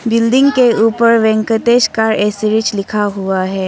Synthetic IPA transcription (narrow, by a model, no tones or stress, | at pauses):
bɪlɖ̪ɪ̃ŋɡkeuːpəɾʋɛ̃ŋkət̪eːʃkaɾɛːsiɾɪt͡ʃlɪkʰaɦuaɦɛː